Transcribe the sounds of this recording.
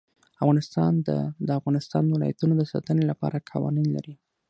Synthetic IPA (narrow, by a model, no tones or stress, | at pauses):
avɣɑnɪst̪ɑnd̪ə̰d̪əafɣɑnɪst̪ɑnd̪wɪlɑ̰jat̪unod̪əsɑ̰t̪ənelapɑ̰ɾʔakʰawɑninla̰ɾi